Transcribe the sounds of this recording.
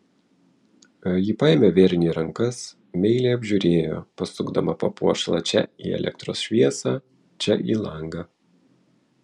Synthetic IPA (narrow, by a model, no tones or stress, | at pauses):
jipɑɛmʲeʋʲɛɾʲnʲiːɾɐŋkɐs | mʲɛɪlʲeːɐbʲʒʲʊɾʲeːjo̰ːpɐsʊɡd̪ɐmɐpɐpuɔʃlˠɑt͡ʃʲɛ̰ḭːɛ̰lʲɛ̰k̚t̪ɾoːsʃʲʋʲiɛsɑː | t͡ʃʲɛʔiːlˠɐŋɡɑː